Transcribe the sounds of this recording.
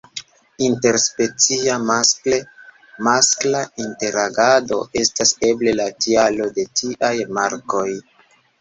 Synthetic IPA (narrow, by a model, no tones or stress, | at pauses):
inte̞ɾspe̞t͡siamaske | masklainte̞ɾaɡado̞ʔe̞stase̞ble̞latialo̞de̞tiʔajmaɾko̞j